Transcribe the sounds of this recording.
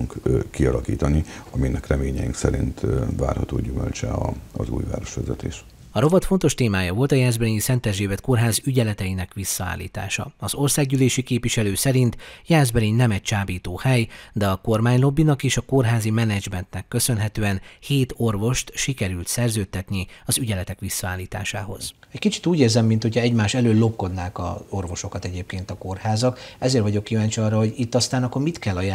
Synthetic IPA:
uŋkkiɒlɒkiːt̪ɒniɒminɛkrɛmeːɲɛiŋksɛɾint̪va̰ːrhɒt̪o̰ːɟymølt͡ʃɛɒɒzṵːjva̰ːɾo̞ʃʋɛzɛt̪eːʃ | ɒɾo̞vɒt̪fo̞nt̪o̞ʃt̪eːmaːjɒvo̞lt̪ɒjaːd̪zbɛɾiːɲisɛnt̪ɛʒeːvɛt̪̚ko̞rɦaːzyɟɛlɛt̪ɛjinɛkʋisːɒa̰ːlːḭːt̪a̰ːʃɒ̰ɒzo̞rsaːɡɟyːleːʃikeːpʋiʃɛløːsɛɾint̪jaːd̪zbɛɾiɲnɛmɛc̚t͡ʃaːbiːt̪oːhɛjd̪ɛɒko̞rmaːɲlo̞bːinɒkeːʃɒko̞rɦaːzimɛnɛd͡ʒmɛnt̪nɛkːø̞sø̞nɦɛt̪øːɛnheːt̪o̞rvo̞ʃt̪ʃikɛɾylt̪sɛrzøːt̪ːɛt̪niɒzyɟɛlɛt̪ɛkʋisːɒaːlːiːt̪a̰ːʃa̰ːɦo̞̰z̥ | ɛckit͡ʃi̥t̪uːɟeːrzɛmːint̪hocʰɒɛɟmaːʃɛløːlːo̞pːo̞d̪naːkɒ̰o̞rvo̞ʃo̞kɒt̪ɛɟeːp̚keːnt̪ɒko̞rhaːzɒkɛzeːrvɒɟo̞kːivaːɲt͡ʃiɒrːɒho̞ɟit̪ːɒst̪aːnɒkːormit̪kɛlːɒja

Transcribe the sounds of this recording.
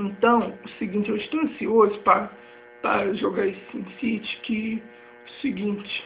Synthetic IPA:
ẽnt̪ɐ̃w̃ʊsɪɡĩnt͡ʃɪẽw̃ʃt̪ẽɐ̃siozʊpɾɐ | pɾɐʒoɡaisĩd̪sit͡ʃɪ̥kɪ | ʊsɪɡĩt͡ʃɪ̥

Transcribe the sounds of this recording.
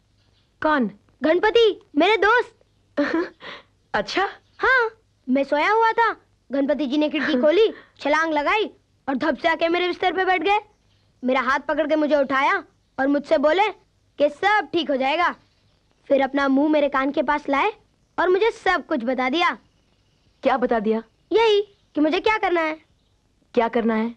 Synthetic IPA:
kɔːn | ɡʱɐɳpət̪imeːɾed̪oːst̪̚ | ɐtːʃʰaː | hãː | mɛ̃ːsoːjaɦuat̪ʰa | ɡʱɐ̃ɳpət̪̬id͡ʒinekʰɪɽkikʰoːlit͡ʃʰɐlãːŋɡlɐɡaːi | ɔːɾd̪ʱɐbseaːkemeːɾeʋɪst̪əɾpebɛːʈ̚ʰɡɐeː | meːɾaɦaːt̪̚ʰpɐkəɽk̬emʊd͡ʒʱeʊʈʰaːja | ɔːɾmʊd͡ʒʱseboːle | kesɐb̚ʈʰiːkɦod͡ʒaːeːɡaː | fɪɾɐpnamũːmeːɾekaːnkepaːslaːe | ɔːɾmʊd͡ʒʱesɐb̚kʊt͡ʃʰbɐt̪ad̪ijaː | kjaːbɐt̪ad̪ijaː | jɐɦi | kimʊd͡ʒʱekjaːkɐɾnaɦɛː | kjaːkɐɾnaɦɛː

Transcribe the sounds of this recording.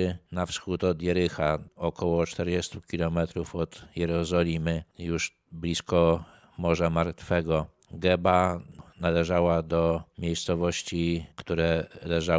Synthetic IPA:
nafsxut̪ɔd̪jɛɾɘxaɔkɔwɔt͡ʂt̪ɛɾd͡ʑest̪ukʲilɔmɛt̪ɾufɔt̪jɛɾɔzɔlʲimɘjuʂ | blʲiskɔ | mɔʐamaɾt̪fɛɡɔ | ɡɛbanalɛʐawad̪ɔmʲjejst̪sɔvɔɕt͡ɕikt̪uɾɛlɛʐa

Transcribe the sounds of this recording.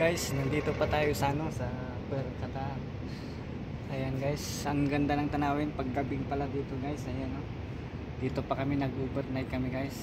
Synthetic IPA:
ɡajsnɐnd̪iːt̪o̞pɐt̪aːjosaːnosɐ | pɛɾkɐt̪a | ʔɐjanɡajs | ɐŋɡɐnd̪alɐŋt̪ɐnaːwɪnpɐɡːɐbɪŋpɐlad̪iːt̪o̞ɡajsʔɐjanːo | d̪̥iːt̪o̞pɐkɐmɪnɐɡubɛɾnajkɐmɪɡajs

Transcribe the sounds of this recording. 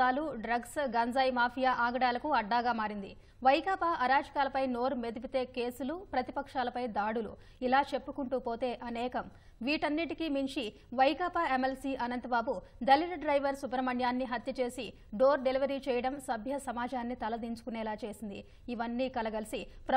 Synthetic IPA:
aːluɖɾɐɡsɡɐnd͡ʒaːjmaːpʰijaːʔaːɡɐɽaːlɐkuɐɖːaːɡaːmaːɾind̪ḭ | ʋɐjkaːpaːʔɐɾaːd͡ʒɐkaːlɐpɐjno̞ːɾume̞d̪ipit̪e̞ːkeːsulupɾɐt̪ipɐkʂaːlɐpɐjd̪aːɽulṵ | ilaːt͡ʃe̞pːukuɳʈuːpo̞ːt̪e̞ːʔɐnɛːkɐm | ʋiːʈɐnːiʈikimiɲt͡ʃi | ʋɐjkaːpaemelsiʔɐnɐnt̪ɐbaːbud̪ɐliɾɐɖɾɐjʋɐɾsupɐɾɐmɐɳjaːnːiɦɐt̪jɐt͡ʃe̞ːsi | ɖoːɾɖe̞liʋɐɾiːt͡ʃɛːjɐɽɐmsɐbʱjɐsɐmaːd͡ʒaːnːit̪ɐlɐd̪iɲt͡ʃu̥kunɛːlaːt͡ʃe̞ːsind̪ḭː | ʋɐnːiːkɐlɐɡɐlisipɾɐ

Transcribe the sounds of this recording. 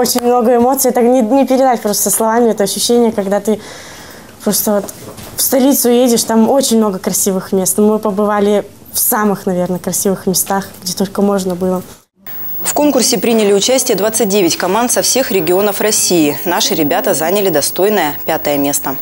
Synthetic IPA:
ot͡ɕɪnʲmno̞ɡəɪmo̞t̪sɨjɛt̪ənʲɪnʲɪpʲɪɾʲɪd̪atʲpɾo̞st̪səslˠɐvamʲɪɛt̪əɐɕːʉɕːenʲɪjəkɐɡd̪at̪ɨ | pɾo̞st̪əvo̞t̪fst̪ɐlʲit̪sʊjedʲɪʂt̪amo̞t͡ɕɪnʲmno̞ɡəkɾɐsʲivɨxmʲe̞st̪mɨpəbɨvalʲɪ | fsamɨxnɐvʲe̞rnəkɾɐsʲivɨxmʲɪst̪axɡdʲet̪o̞lʲkəmo̞ʐnəbɨlˠə | fko̞nkʊrsʲɪpɾʲinʲɪlʲɪʊt͡ɕæsʲtʲɪjəd̪vat̪sɨt̚ʲdʲevʲɪtʲkɐmant̪sɐfsʲe̞xɾʲɪɡʲɪo̞nəfrɐsʲiːnaʂɨɾʲɪbʲat̪əzanʲɪlʲɪd̪ɐst̪o̞jnəjəpʲat̪əjəmʲe̞st̪ə

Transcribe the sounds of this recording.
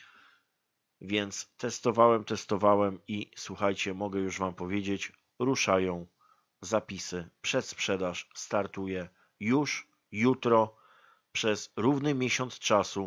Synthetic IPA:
vʲjɛnt̪st̪ɛst̪ɔvawɛmt̪ɛst̪ɔvawɛmiswuxajt͡ɕɛmɔɡɛjuʐvampɔvʲjed͡ʑet͡ɕ | ɾuʂajɔ̃w̃ | zapʲisɘpʂɛt̪spʂɛd̪aʂst̪aɾt̪ujɛ | juʂ | jut̪ɾɔ | pʂɛzɾuvnɘmʲjeɕɔnt̪st͡ʂasu

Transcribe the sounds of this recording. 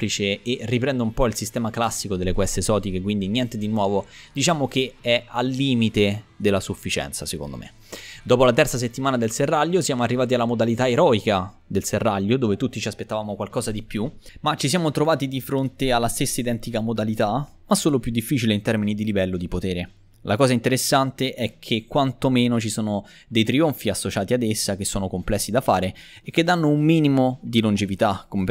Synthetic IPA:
plit͡ʃeerːipɾɛnd̪oumpɔilsist̪ɛːmaklasːikod̪elːekwɛst̪ezɔːt̪ikekwind̪injɛnt̪ed̪inwɔːvod̪̥it͡ʃaːmokeɛalːiːmit̪ed̪elːasufːit͡ʃɛ̰nt̪saseko̰nd̪o̰mʔḛ | d̪ɔːpolat̪ɛrt̪sas̬et̪ːimaːnad̪elserːaʎːosjaːmoarːivaːt̪ialːamod̪alit̪aeɾɔika | d̪elserːaʎːod̪oːvet̪ut̪ːit͡ʃiaspet̪ːavaːmokwalkɔːzad̪ipjumat͡ʃːisjaːmot̪ɾovaːt̪id̪ifɾont̪ealːast̪esːaid̪ɛnt̪ikamod̪alit̪a | masːoːlopjud̪ːifːiːt͡ʃileint̪ɛrminid̪ilivɛlːod̪ipot̪ɛːɾe | lʔakɔːzaint̪eɾesːant̪eʔɛkʰːekːwant̪omeːnot͡ʃisoːno | d̪ejt̪ɾioɱfiasːot͡ʃaːt̪iad̪esːak̟esːoːnokomplɛsːid̪afaːɾe | ekːed̪ːanːoumːiːnimod̪ilond͡ʒevit̪akːome

